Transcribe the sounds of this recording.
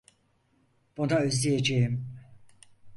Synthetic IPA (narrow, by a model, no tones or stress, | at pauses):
b̥unaøzlʲijed͡ʒejim